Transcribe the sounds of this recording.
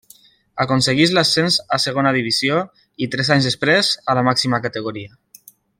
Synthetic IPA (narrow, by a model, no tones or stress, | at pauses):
akonseɣ̞izlasenzaseɣ̞onaðiβizjo | it̪ɾɛzaɲzðespɾezalamaksimakat̪eɣ̞oɾia